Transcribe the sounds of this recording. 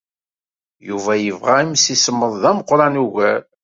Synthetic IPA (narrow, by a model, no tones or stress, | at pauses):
juvæjəvʁæimsisəmːəðˤðæməqːɾˤɑnuɣæɾ